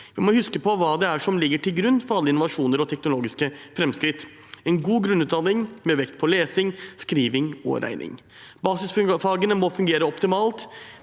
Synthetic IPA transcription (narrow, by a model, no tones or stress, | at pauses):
ʋɪmɔhʉskəpʰɔʋɑːd̪ɛæʂɔmlɪɡːəʈʰɪlɡɾʉnːfɔɾɑlːəɪnʊʋɑʂuːnəɾɔt̪ʰɛknʊloːɡɪskəfɾɛmskɾɪt̪ː | ɛnɡuːɡɾʉnːʉːt̪d̪ɑnɪŋmɛʋɛkt̪̚pʰɔleːsɪŋskɾiːʋɪŋɔ̰ɾʔæ̰ɪnʔɪ̰ŋ | bɑːsɪsffɑːɡənəmɔfʉŋɡeːɾəɔpt̪ɪmɑːlt̪